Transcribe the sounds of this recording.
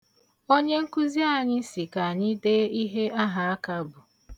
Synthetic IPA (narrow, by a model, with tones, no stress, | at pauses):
o˦ɲe˦ŋ̩˦kʊ˦zi˦a˦˨ɲɪ˦si˨ka˨a˨ɲɪ˦deː˦i˦ɦe˦a˦ɦa˨a˦ka˦bʊ˨